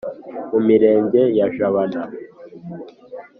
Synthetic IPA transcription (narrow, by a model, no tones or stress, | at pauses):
mumiɾeːɲɟejaʒaβana